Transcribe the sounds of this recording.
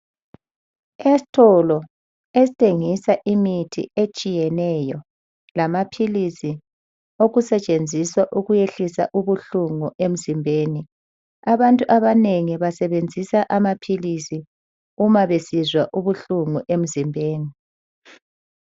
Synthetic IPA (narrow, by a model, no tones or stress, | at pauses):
esi̥tʼʰɔlɔ | esitʰʼeŋisaʔimitʰḭet͡ʃʼijɛnɛjɔ | lamapʰilisi | oɣusɛt͡ʃʼend͡zʱiswaʔuɣujeɬisa̰ʔuβuɬuŋuʔem̩zimbʱeːni | aβantʼuʔaβaneŋiβasɛβend͡zʱisaʔamapʰilisi | umaβesizwaʔuβuɬuŋuʔem̩zimbʱeːni